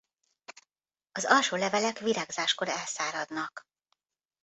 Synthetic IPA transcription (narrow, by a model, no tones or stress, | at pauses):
ɒzɒlʃoːlɛvɛlɛkʋiɾaːɡzaːʃkoɾɛlsaːɾɒd̪nɒk